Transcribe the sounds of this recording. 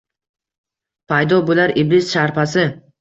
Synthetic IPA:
pʰajd̪ɒbolaɾʔiblɪz̥ʃaɾpʰasɪ

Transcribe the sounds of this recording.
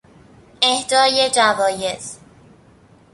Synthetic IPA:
ehd̪ɒːjed͡ʒævɒːjez̥

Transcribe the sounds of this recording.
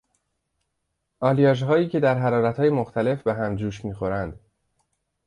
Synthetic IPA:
ʔɒːlijɒːʒɦɒːjiːcʰe̞d̪æɾɦæɾɒːɾæt̪hɒːjemoxt̪ʰæle̞fbeɦæmd͡ʒuːʃmiːxo̞ɾænd̪̥

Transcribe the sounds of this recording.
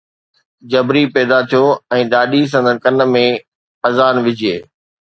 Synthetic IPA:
d͡ʑɐbɾipɛːd̪at̪ʰijoɛ̃ːɗaːɗis̬ɐ̃nd̪ʱənɪ̆kɐnə̆mẽ | ɐzaːnʋɪd͡ʑʱieː

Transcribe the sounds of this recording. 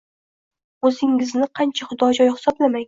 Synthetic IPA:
ɵzɪŋɪznɪqʰɑnt͡ʃʰaχʊd̪ɒd͡ʒɒjhɪ̥sɒblamaŋ

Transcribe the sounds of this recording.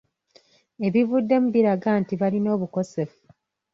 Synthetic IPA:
e̞βivudːe̞muβiɾaɡaːntiβalino̞ːβuko̞se̞fu

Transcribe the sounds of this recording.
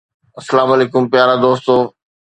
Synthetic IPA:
ɐsɐlaːmɐleːkʊmpjaːɾad̪oːst̪oː

